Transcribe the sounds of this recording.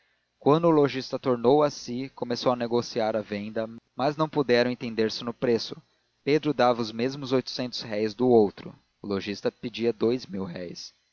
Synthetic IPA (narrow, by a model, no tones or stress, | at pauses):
kwɐ̃nd̪ʊːloʒist̪ɐt̪oɾnowɐsikomesowɐneɡosiaɾɐvẽnd̪ɐmɐznɐ̃w̃pud̪ɛɾɐ̃w̃ẽt̪ẽnd̪eɾsɪnʊpɾesʊ̥ | ped̪ɾʊd̪avɐʊzmezmʊzojt̪ʊ̥sẽnt̪ʊ̥shɛjzd̪ʊowt̪ɾʊ̰ | ʊloʒist̪ɐped͡ʒiɐd̪ojzmiwɦɛjs